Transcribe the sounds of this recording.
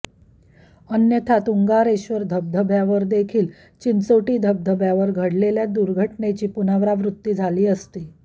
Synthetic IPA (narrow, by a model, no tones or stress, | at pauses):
ənjət̪ʰat̪uŋɡaɾeɕʋəɾd̪ʱəb̚d̪ʱəbʱjaʋəɾd̪ekʰiːl | t͡ɕint͡soʈiːd̪ʱəb̚d̪ʱəbʱjaʋəɾɡʱəɽleljad̪uɾɡʱəʈnet͡ɕiːpunaʋɾaʋɾut̪ːiːd͡zʱaliːəst̪iː